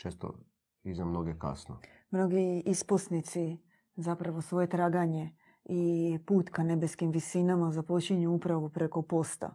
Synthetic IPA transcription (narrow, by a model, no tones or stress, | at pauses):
t͡ʃeːst̪o̰ | iznamnoɡeka̰sno | mno̞ɡiisposnit̪si | zapɾaʋo̞sʋo̞je̞t̪ɾaːɡaɲe | ipuːt̪kane̞be̞skimʋisinamazapo̞t͡ɕiɲuupɾaʋupɾe̞ko̞po̞st̪a̰